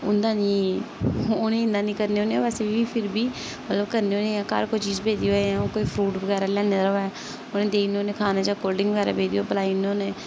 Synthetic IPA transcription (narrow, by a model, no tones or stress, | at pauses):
ʊ̰nd̪aːnĩː | oːnẽɪ̃nd̪aːnĩːkəɾneːoːnẽʋɛːsebiːpʰɪɾbiː | mət̪ləbkəɾneõːnẽːãːka̰ːɾkoit͡ʃiːzpeːd̪iːoːeãːoːkoːipʰɾuːʈbəɡɛːɾaːlɛːneːɾoɛː | onẽːd̪eːinːoːnẽːkʰaːnãːd͡ʒaːkoːlɖɪ̃ŋɡʋəɡɛːɾa̰ːpeːd̪iːoːpəlaːinoːneː